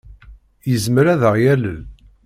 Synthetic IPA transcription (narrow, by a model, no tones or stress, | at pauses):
jəzmɾæðəʁjæləl